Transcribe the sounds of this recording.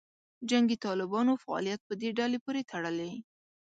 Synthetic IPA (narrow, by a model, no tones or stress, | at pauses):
d͡ʒaŋɡit̪ɑlɪbɑnofaɑ̰lijat̪̚pəd̪eɖɑlepoɾet̪ʰaɽəle